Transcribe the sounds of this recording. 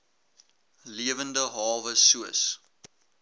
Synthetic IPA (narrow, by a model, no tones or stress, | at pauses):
liəvəndəɦɑːvəsuəs